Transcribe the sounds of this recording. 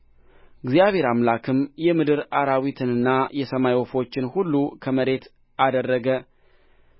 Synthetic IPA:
ɡzijaβhe̞ɾamlakʰɨmjɛmɨd̪ɨɾaɾawit̪ʰɨnɨnːajɛsəmajwɔfo̞t͡ʃːɪnhulːukʰəməɾe̞t̪ | ʔad̪ərːəɡə

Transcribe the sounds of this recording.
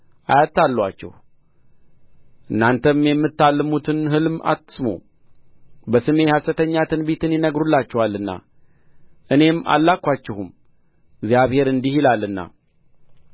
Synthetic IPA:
ʔajat̪ːalːwat͡ʃːɛ̰h | ʔɨnːant̪ʰəmjɛmːɨt̪ːalːɨmut̪ʰɨnɦɨlma̰t̪ːɨ̥smo̰ | bəsɨme̞hasət̪ʰəɲːat̪ʰɨnbet̪ʰɨnjɪnəɡɾulːat͡ʃːɛhalːɨnːa̰ | ʔɨne̞ma̰lːakʷat͡ʃːɛhum | ɨɡzijaβhe̞ɾɨnd̪ihilalːɨnːa̰

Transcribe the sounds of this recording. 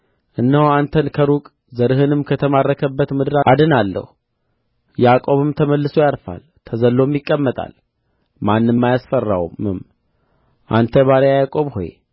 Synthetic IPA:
ʔɨnːəhant̪ʰənkʰəɾukʼ | zəɾɨɦɨnɨmkʰət̪ʰəmarːəkʰəbːət̪mɨd̪ɨɾaad̪ɨnalːə̰hu | jakʼo̞βɨmt̪ʰəməlːɨso̞jaɾfa̰l | t̪ʰəzəlːo̞mjɪkʼːəmːət̪ʼa̰l | manːɨmːajasfərːa̰wṵmɨm | ʔa̰nt̪ʰəβaɾejajakʼo̞βho̰jḛ

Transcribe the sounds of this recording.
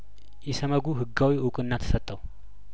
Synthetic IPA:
jɛsəməɡuɦɨɡːawiʊkʼɨnːat̪ʰə̥sət̪ʼːəw

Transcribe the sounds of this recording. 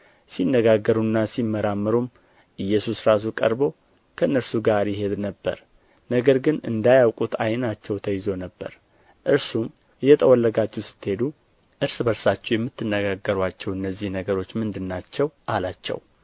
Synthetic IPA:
sinːəɡaɡːəɾunːasimːəɾamːəɾum | ʔɨjːɛsusɾas̬ukʼə̰ɾbo̞ | kʰəɨnːəɾsuɡaɾjɪɦe̞d̪nəbːə̰ɾ | nəɡəɾɡɨnɨ̰nd̪ajawkʼut̪ʰajnat͡ʃːɛwt̪ʰəjɪzo̞nəbːə̰ɾ | ʔɨɾsum | jɛt̪ʼəwɔlːəɡat͡ʃːɛwsɨ̥t̪ːhe̞d̪u | ʔɨɾsbəɾsat͡ʃːɛjɛmːɨt̪ʰːɨnːəɡaɡːəɾwat͡ʃːɛwɨnːəzːihnəɡəɾo̞t͡ʃːmɨnd̪ɨnːat͡ʃːɛwʔalat͡ʃːɛ̰w

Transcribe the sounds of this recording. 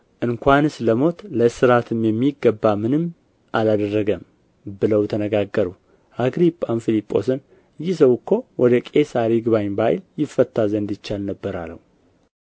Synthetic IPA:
ʔɨŋkʷanɨsləmo̞t̪ləsɨɾat̪ʰɨmjɛmːiɡːəbːamɨnɨm | ʔalad̪ərːəɡəm | bɨləwt̪ʰənəɡaɡːəɾu | ʔaɡɾipʼːanfilipʼːo̞̰sɨn | ɨjːɪs̬əwkʰːo̞wɔd̪əkʼesaɾiɡɨβaɲbajljɪfət̪ʰːazənd̪ɨt͡ʃːalnəbːəɾa̰lːə̰w

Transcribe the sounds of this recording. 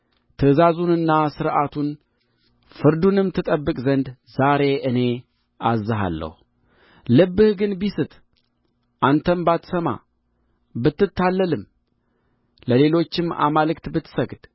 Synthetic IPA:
t̪ʰɨzazunɨnːasɨɾʔat̪ʰun | fɨɾd̪unɨmt̪ʰɨt̪ʼəbːɨkʼzənd̪zaɾe̞ʔɨne̞ | azːɨɦa̰lːə̰hu | lɨbːɨhɡɨnbisɨt̪ | ʔant̪ʰəmbat̪səma̰ | bɨt̪ːɨt̪ʰːalːəlɨm | ləle̞lo̞t͡ʃːɪma̰malɨkt̪bɨt̪ːsəɡd̪̥

